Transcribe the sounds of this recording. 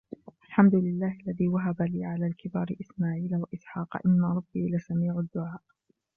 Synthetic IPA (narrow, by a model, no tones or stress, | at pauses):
ʔalħamd̪ʊlɪlːaːhʔalːaðiːwaɦabaliːʕalaːlkʰɪbaːɾɪʔɪsmaːʕiːlawaʔɪsħɑːqɑ̰ʔɪnːaɾˤɑbːiːlasamiːʕʊd̪ːʊʕaːʔ